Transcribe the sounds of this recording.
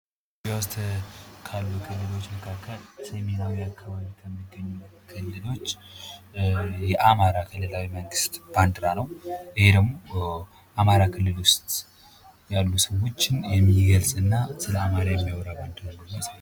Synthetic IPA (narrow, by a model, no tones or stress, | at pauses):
jɛwɔst̪ʰkʰalːukʰɨlːɨlo̞t͡ʃːməkʰakːəlsəme̞nawjɛakʰːaβaβikʰəmːiɡəɲːukʰɨlːɨlo̞t͡ʃː | jɛʔamaɾakʰɨlːɨlawiməŋɡɨst̪b̥and̪ɾanəwʔɨhe̞d̪əɡmo̞ | ʔamaɾakʰɨlːɨlʊst̪ʼ | jalːusəwo̞t͡ʃːɪnjɛmːiɡəlsʼɨnːasɨləamaɾajɛmːiwoɾaband̪ɨɾaəmːasal